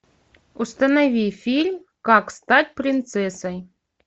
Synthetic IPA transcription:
ust̪ɐnɐvʲifʲilʲmʲ | kakst̪atʲpɾʲɪnt̪sɛsəj

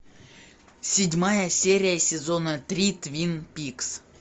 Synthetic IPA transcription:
sʲɪdʲmajəsʲeɾʲɪjəsʲɪzonət̪rʲit̪vʲinpʲiks

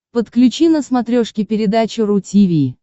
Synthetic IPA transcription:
pət̪klʲʉt͡ɕinəsmɐt̪ɾʲoʂkʲɪpʲɪɾʲɪd̪at͡ɕɪɾʊtʲivʲiː

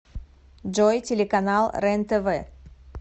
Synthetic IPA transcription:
d͡ʒojtʲelʲekanalˠrent̪əvə

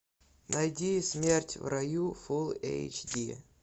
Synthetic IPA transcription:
nɐjdʲismʲertʲvrɐjufulˠḛjt͡ʃdʲi

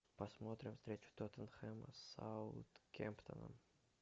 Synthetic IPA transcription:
pɐsmot̪ɾʲɪmfst̪ɾʲet͡ɕʊ̥t̪ot̪ənxɛmə̰sa̰wt̪kʲḛmpt̪ʰə̰nə̰

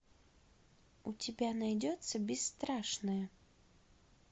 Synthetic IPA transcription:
utʲɪbʲanajdʲɔt̪səbʲɪsːt̪ɾaʂnəjə

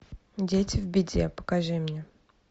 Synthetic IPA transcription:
dʲetʲɪvbʲɪdʲḛpə̥kaʐɨmnʲe

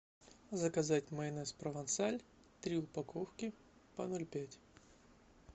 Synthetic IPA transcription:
zəkɐzatʲmɐɪnɛspɾəvɐnt̪salʲ | t̪ɾʲiʊpɐkofkʲɪ | pɐnolʲpʲætʲ

